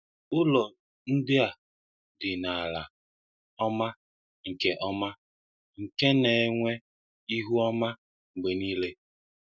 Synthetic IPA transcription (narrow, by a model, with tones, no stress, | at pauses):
ʊ˦lɔ˨ | n̩˦dɪ˦a˨ | dɪ˨na˨la̰˨ | ɔ˦ma˦ | ŋ̩˨ke˦ʔɔ˦ma˦ | ŋ̩˨ke˦ne˨˦ŋʷe˦ | i˦ɦu˦ɔ˦ma˦ | ŋ͡m̩˨ɡ͡be˨niː˦le˦